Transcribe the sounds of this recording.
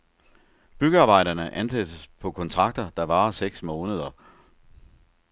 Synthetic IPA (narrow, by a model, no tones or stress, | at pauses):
b̥yɡ̥əɑ̈ːb̥ɑ̈ɪ̰ɾ̥ɐnəʔænsed̥əspʰɒ̽kʰɒ̽nt͡sʰʁɑ̈ɡ̥̚d̥ɐd̥ɑ̈ʋɑ̈ːɐseɡ̥smɔ̽ːnəð̞ˠɐ